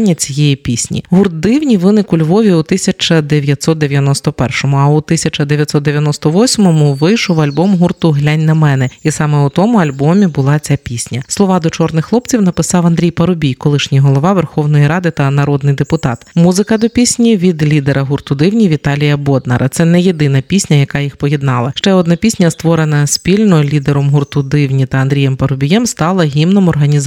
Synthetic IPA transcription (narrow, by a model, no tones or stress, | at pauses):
nʲːɐt͡sʲijɛjipʲisʲnʲḭɦurt̪̚d̪ɪwnʲiʋɪnɪkʊlʲʋɔʋʲiut̪ɪsʲɐt͡ʃɐd̪eʋʲjɐt̪ʲsɔt̪̚d̪eʋʲjɐnɔst̪ɔpɛrʃɔmʊɐut̪ɪsʲɐt͡ʃɐd̪eʋʲjɐt̪sɔt̪̚d̪eʋjɐnɔst̪ɔʋɔsʲmɔmʊʋɪjʃɔwɐlʲbɔmɦurt̪ʊɦlʲanʲnɐmɛnɛisɑmɛut̪ɔmʊɐlʲbɔmʲibʊlˠɑt͡sʲapʲisʲnʲɐslˠɔʋɑd̪ɔt͡ʃɔrnɪxːlˠɔpt͡sʲiwnɐpɪsɑwɐnd̪ʲɾʲijpɐɾʊbʲijkɔlˠɪʃnʲiɦɔlˠɔʋɑʋɛrxɔwnɔjiɾɑd̪ɪt̪ɐnɐɾɔd̪nɪjd̪epʊt̪ɑt̪muzɪkɐd̪ɔpʲisʲnʲiʋʲid̪lʲid̪eɾɐɦurt̪ʊd̪ɪwnʲiʋʲit̪ɑlʲijɐbɔd̪nɐ̰ɾʔɐt̪sɛnɛje̞d̪ɪnɐpʲisʲnʲɐjɐkɑjixpɔjed̪nɑlˠɐʃt͡ʃɛɔd̪nɐpʲisʲnʲɐst̪ʋɔɾenɐsʲpʲilʲnɔlʲid̪eɾɔmɦurt̪ʊd̪ɪwnʲit̪ɐɐnd̪ʲɾʲijɛmpɐɾʊbʲijɛmst̪ɑlˠɐɦʲimnɔmɔrɦɐnʲiz